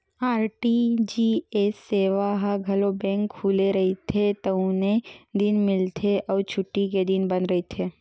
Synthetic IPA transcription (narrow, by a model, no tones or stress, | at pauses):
aːɾʈid͡ʒiːesːeːʋaɦaɡʱɐlobɛ̃ːŋkhuːleɾɐɦit̪ʰet̪ɐʊ̃ned̪ɪnmɪlt̪ʰeʔɔːɾt͡ʃʰʊʈːiked̪ɪnbɐnɾɐɦit̪ʰeː